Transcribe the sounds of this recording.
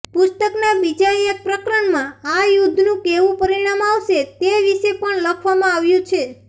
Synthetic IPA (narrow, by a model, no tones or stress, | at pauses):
pʊst̪əknabid͡ʒaiek̚pɾəkɾəɳmãajud̪ʱnũkeʋũpəɾiɳ̃amaʋʃet̪eʋiʃepəɳləkʰʋamãaʋjũt͡ʃʰe